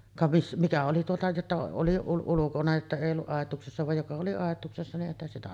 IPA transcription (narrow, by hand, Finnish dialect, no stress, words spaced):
kɑ ʋis mitæ oli tuotɑ jotːɑ oli ul ulukonɑ etːæ eˑij olːuʔ ʔɑˑetˑuːksesːɑ ʋɑj jokɑ oli ɑˑetˑuːksesːɑ niʔ ʔeˑihæn sitæ